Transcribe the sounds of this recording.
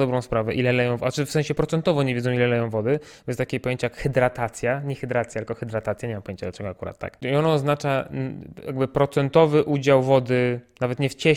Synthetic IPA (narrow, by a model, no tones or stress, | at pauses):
d̪ɔbɾɔ̃w̃spɾavɛʔilɛlɛjɔ̃w̃vat͡ʂɘfsɛ̃ɕɛpɾɔt̪ɛnt̪ɔvɔɲɛvʲed̪ɔ̃ilɛlɛjɔ̃w̃vɔd̪ɘ | ɛst̪akʲepɔjeɲt͡ɕajakxɛd̪ɾat̪at̪sʲjaɲɛxɛd̪ɾat̪sjaalkɔxɛd̪ɾat̪at̪sʲjaɲɛmampɔjẽɲt͡ɕad̪lat͡ʂɛɡɔakuɾa̰t̪ːa̰kiɔnaːznat͡ʂajaɡbɘpɾɔt̪sɛnt̪ɔvɘʔud͡ʑawvɔd̪ɘnavɛt̪ɲɛft͡ɕɛ